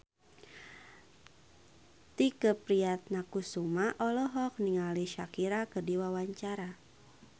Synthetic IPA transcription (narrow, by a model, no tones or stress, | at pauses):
t̪ikəpɾiat̪̚nakusumaʔɔlɔɦɔk̚niŋaliʃakiɾakədiwawaɲt͡ʃaɾa